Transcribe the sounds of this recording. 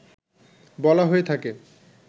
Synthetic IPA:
bɔlaɦoet̪ʰake

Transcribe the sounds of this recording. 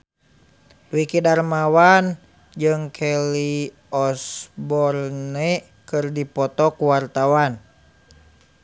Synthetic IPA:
wikidarmawan | d͡ʒɨŋkʰɛli | ɔsbɔrnɛ | kɨrdipɔt̪ɔkuwart̪awan

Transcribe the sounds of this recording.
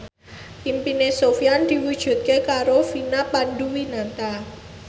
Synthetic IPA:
ʔimpinesofiand̪̥i̤wud̥ʒ̥ṳt̪̚kekaɾofinapanɖuwinat̪a

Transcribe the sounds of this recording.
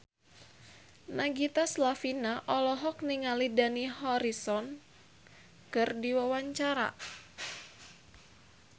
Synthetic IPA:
naɡit̪aslafinaʔɔlɔɦɔkniŋalidanihɔɾisɔn | kɨrdiwawaɲt͡ʃaɾa̰

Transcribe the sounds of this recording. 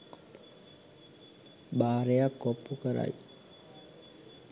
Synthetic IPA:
baːɾejakːɔpːukəɾa̰j

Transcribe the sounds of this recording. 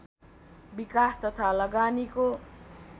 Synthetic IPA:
bikast̪ʌt̪ʰalʌɡaniko

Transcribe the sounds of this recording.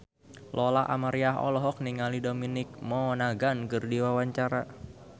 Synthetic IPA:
lʔɔlaʔa̰maɾiaɦɔ̰lɔɦɔk̚niŋalidominɪk̚mɔnaɡankɨrdiwawaɲt͡ʃaɾa

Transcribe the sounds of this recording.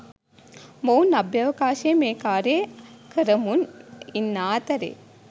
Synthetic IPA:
mownɐbjɐʋɐkaːʃeːmeːkaːɾeːkɐɾɐmuninːaːt̪ɐɾḛː

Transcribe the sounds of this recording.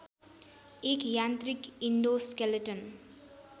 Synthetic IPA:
ekjant̪rikind̪oskeleʈʌn

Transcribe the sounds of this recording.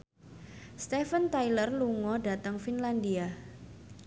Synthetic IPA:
st̪ɛfənt̪ajlərluŋɔɖa̤t̪əŋfinland̪ia

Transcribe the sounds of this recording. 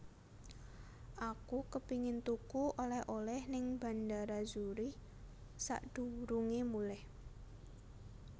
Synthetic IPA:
ʔakukəpiŋɪnt̪ukuʔolɛhʔolɛhnɪŋba̤ndaɾazuɾi | sa̰ʔd̪̥ṳɾuŋemulɛh

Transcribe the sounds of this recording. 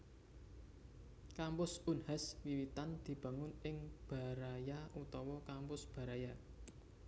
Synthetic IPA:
kampʊsunhaswiwit̪and̪̥i̤b̥ä̤ŋʊnɪŋb̥a̤ɾajaut̪ɔwɔkampʊsb̥ä̤ɾaja

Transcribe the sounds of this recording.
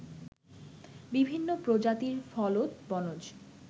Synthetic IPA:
bibʱinːopɾod͡ʑat̪iɾfɔlot̪bɔnod͡ʑ

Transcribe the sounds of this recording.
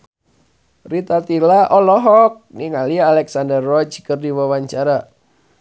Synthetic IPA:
rit̪at̪ilaʔɔlɔɦɔk̚niŋaliaːlɛksandərːɔt͡ʃkɨrdiwawaɲt͡ʃaɾa

